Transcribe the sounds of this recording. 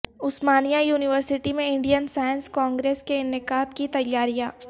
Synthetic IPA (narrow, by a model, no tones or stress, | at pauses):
ʊsmaːnijajuːnɪʋəɾsɪʈimẽɪ̃ɳɖijənsaːjənskɔ̃ːŋɡɾeːskenɪkaːt̪kit̪ɐjːaːɾijaː